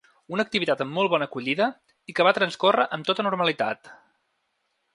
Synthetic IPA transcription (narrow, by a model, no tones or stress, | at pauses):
unək̚t̪iβit̪at̪əmːɔlˠβɔnəkuʎiðə | ikəβat̪ɾənskorəʔəmt̪ot̪ənuɾməlit̪a̰t̪